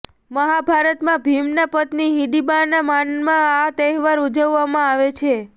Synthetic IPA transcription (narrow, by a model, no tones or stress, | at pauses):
məɦabʱaɾət̪mãbʱimnapət̪niɦiɖibaɾnamanmãat̪ɛɦʋaɾud͡ʒəʋːamãaʋet͡ʃʰe